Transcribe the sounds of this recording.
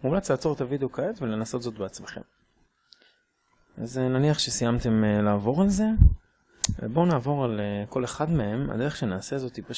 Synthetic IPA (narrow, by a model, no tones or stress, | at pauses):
mumlat͡slaːt͡so̞ʁet̪avideo̞kaetvele̞naso̞t̪zo̞t̪beat͡smeχe̞̰m | ʔa̰zenaniaχʃesijamt̪e̞mlaːvo̞ʁalze̞ | vḛbo̞naːvo̞ʁaleko̞le̞χadmee̞ma̰d̪e̞ʁeʃenaːse̞zo̞t̪ipa